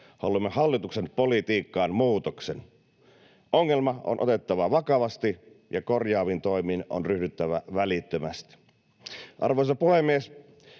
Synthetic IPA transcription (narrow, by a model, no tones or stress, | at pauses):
hoɑ̰lːumːehɑlːit̪uksenpolit̪iːkːɑːnmuːt̪oksen | ʔoŋːelmɑo̰nʔot̪et̪ːɑʋɑʋɑkɑʋɑst̪i | jɑkorjɑːʋint̪oimiːno̰nryhdyt̪ːæʋæʋælit̪ːømæst̪i̥ | ʔɑ̰rʋoisɑpuhemːies